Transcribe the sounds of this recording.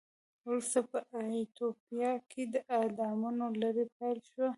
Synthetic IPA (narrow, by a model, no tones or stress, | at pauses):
ʊlsapəʔait̪opjɑkʰed̪əʔad̪ɑmunolaɾepajlʃwa